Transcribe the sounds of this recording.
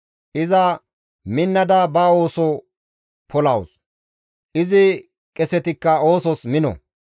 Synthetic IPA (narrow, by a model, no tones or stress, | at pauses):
ʔɪzɐ | mɪnːɐd̪ɐbɐo̞ːsɔ | pɔlɐws | ʔɪzɪ | kʼɛsɛt̪ɪkːɐoːsɔsmɪnɔ̰